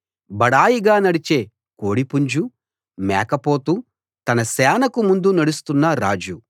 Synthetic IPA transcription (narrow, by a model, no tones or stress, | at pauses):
bɐɽaːjiɡaːnɐɽit͡ʃe̞ː | koːɽipuɲd͡ʒu | mɛːkɐpo̞ːt̪u | t̪ɐnɐsɛːnɐkumund̪unɐɽust̪unːɐɾaːd͡ʒu